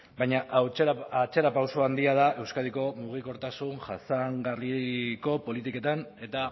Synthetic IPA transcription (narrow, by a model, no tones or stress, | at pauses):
bajɲaʔat͡ʃe̞ɾapawsoand̪iað̞aʔe̞wskaðiko̞muɣ̞iko̞ɾt̪asunʝasaŋɡariko̞po̞lit̪ike̞t̪ane̞t̪a